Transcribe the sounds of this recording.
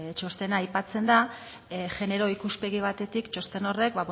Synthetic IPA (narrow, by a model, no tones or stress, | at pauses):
t͡ʃo̞st̪e̞naːjpat͡se̞nd̪a | ʝe̞ne̞ɾo̞ikuspe̞ɣ̞iβ̞at̪e̞t̪ikt͡ʃo̞st̪e̞no̞re̞k̚baβ